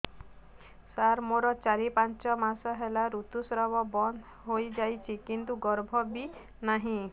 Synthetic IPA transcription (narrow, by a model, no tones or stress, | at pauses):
saɾmoɾɔt͡ʃaɾipant͡ʃɔmasɔɦelaɾut̪usɾɔbɔbɔnd̪ | ɦojd͡ʒajt͡ʃʰikint̪uɡɔɾbʱɔbi | naɦĩ